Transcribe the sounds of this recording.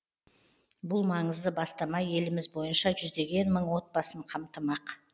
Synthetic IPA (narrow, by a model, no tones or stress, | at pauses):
bʊlˠmɑɴəzd̪əbɑst̪ɑmɑje̞lɪmɪzbo̞jənʃɑʒʏzd̪e̞ɡʲe̞nməɴwo̞t̪̚bɑsəɴqʰɑmt̪əmɑq